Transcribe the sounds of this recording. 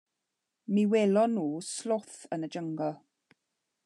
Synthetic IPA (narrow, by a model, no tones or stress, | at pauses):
miweːlɔnːuːslʊθənəd͡ʒəŋɡɔlˠ